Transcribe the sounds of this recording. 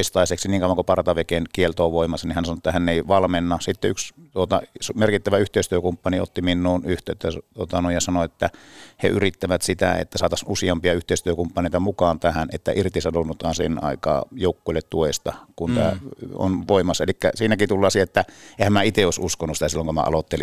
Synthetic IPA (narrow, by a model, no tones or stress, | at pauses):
ist̪ɑˑiseksiniːŋkɑuʋɑŋkupɑrt̪ɑʋekenkielt̪oːʋoˑimɑsːɑnihænsɑnoet̪ːæhænːeˑiʋɑlmenːɑsit̪ːeykst̪uot̪ɑ̰smerkit̪ːæʋæyht̪eˑist̪yøkumpːɑnio̰t̪ːiminːuːnyht̪øːt̪ːæt̪uot̪ɑnoˑijjɑsɑnoet̪ːæhḛyrit̪ːæʋæt̪sit̪æ̰ḛt̪ːæsɑːt̪ɑsusiɑmpiɑyht̪eˑist̪yøkumpːɑneˑit̪ɑmukɑːnt̪æhænḛt̪ːæ̰ʔirt̪isɑnonːut̪ɑːnsḛnɑ̰ˑikɑ̰ːjoˑukːoˑilːet̪t̪uest̪ɑkunt̪æ̰ːo̰nʋoˑimɑsːɑelikːæ̰siːnækit̪ulːˑɑːsiæet̪ːæehæmmæit̪eoˑisuskonːˑusit̪æsilːoŋkomæ̰ʔɑ̰lot̪ːeli